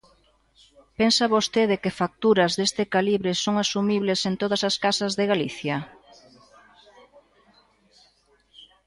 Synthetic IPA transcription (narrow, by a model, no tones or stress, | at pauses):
pensaβost̪eð̞ɪkɪfak̚t̪uɾɐzðest̪ɪkaliβɾɪsoŋasumiβlɪsent̪oðɐsaskasɐzðɪɣaliθjɐ